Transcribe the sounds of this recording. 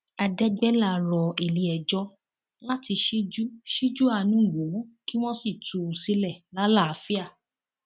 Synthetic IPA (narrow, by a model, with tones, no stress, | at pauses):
a˧dɛ˦ɡ͡bɛ˦la˦˨ɾɔ˨e˨li˨˦ɛ˨d͡ʒɔ˦ | la˦ti˧ʃi˦d͡ʒu˦ʃi˦d͡ʒu˦a˧nũ˦˨wõ˨˦ki˦w̃ɔ̃˦si˦˨tu˨u˨si˦lɛ˦˨la˦la˦˨a˨˦fi˦a˦˨